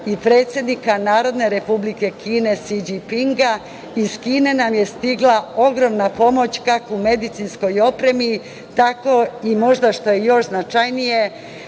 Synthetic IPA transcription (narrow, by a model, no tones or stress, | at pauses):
ipɾe̞ːt̪sʲje̞d̪nikanaːɾo̞d̪ne̞ɾe̞publike̞kiːne̞sid͡ʒipiŋɡa | iskiːne̞namje̞st̪iɡlao̞ɡɾo̞mnapo̞mo̞t͡ɕkakoume̞d̪it̪sinsko̞jo̞pɾe̞mi | t̪ako̞imo̞ʒd̪aʃt̪o̞jejo̞ʃznat͡ʃajnije̞